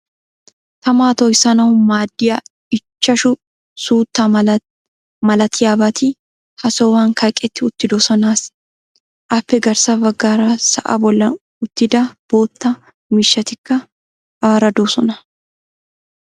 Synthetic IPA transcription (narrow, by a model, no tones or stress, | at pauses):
t̪ɐmaːt̪ɔjsɐnɐwʊmaːd̪ːɪjɐ | ɪt͡ʃːɐʃʊ | suːt̪ːɐ | mɐlɐt̪ʰɪjaːbɐt̪ɪ | hɐsɔwaːŋkʰɐjkʼɛt̪ːɪʊt̪ːɪd̪oːsɔnaːs | ʔɐpːɛɡɐɾsɐvɐɡːaːɾasɐ̰ʔɐ̰bɔlːɐn | ʊt̪ːɪd̪ɐb̥o̞ːt̪ːɐ | mɪʃːɐt̪ɪkːɐ | aːɾɐd̪oːsɔnɐ